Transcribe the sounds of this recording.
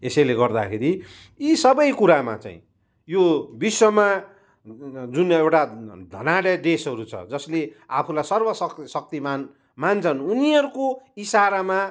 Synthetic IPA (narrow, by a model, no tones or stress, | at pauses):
esʌjleɡʌrd̪akʰeɾi | isʌbʌjkuɾama̰t͡sa̰ḭ̃ | jobiswʌma | d͡zunewʈad̪ʱʌnaɽʌɖesʌɾut͡sʰʌ̰d͡zʌsleapʰulajsʌrbʌsʌsʌk̚t̪iman | mant͡sʰʌnuniʌɾukoisaɾama